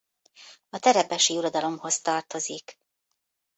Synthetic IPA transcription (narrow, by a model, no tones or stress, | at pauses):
ɒt̪ɛɾɛpɛʃiːuɾod̪ɒlo̞mho̞st̪ɒrt̪o̞zik